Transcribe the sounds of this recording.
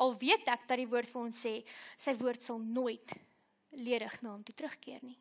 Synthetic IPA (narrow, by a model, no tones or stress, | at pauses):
ʔɐlˠviətækdɐdivuərtfɐnɔnsɛːsəjvuərtsɐlˠnoəjt | liəɾəχnɑːəmtutɾəχkiərni